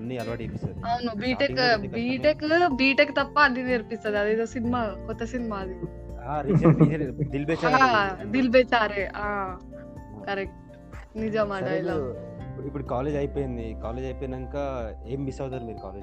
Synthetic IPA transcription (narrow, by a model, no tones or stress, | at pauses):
ɐnːiɐlʋaːʈiepisoːd̪ɐnubiːʈekbiːʈekbiːʈekːt̪ɐpːɐːlːiniɾpist̪ɐd̪iɐd̪eːd̪oːsinimakɔt̪ːɐsinimaːd̪i | aːɾisɐieɾd̪ilbeːt͡ʃaad̪ilbeːt͡ʃaːɾeaː | kɐɾek̚ʈ | nid͡ʒamaːʈajlapːipːuʈkaːleːd͡ʒɐjpejɐnd̪ikaːled͡ʒɐjpenɐŋkaeːmbisaːd̪ɐɾmiːɾuka̰ːled͡ʒ